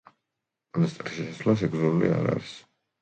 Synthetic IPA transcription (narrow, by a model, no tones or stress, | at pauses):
anast̪ʼɾʰi̥ʃɛsaslas̬ɛkʰʼzuɾulḭaɾaɾis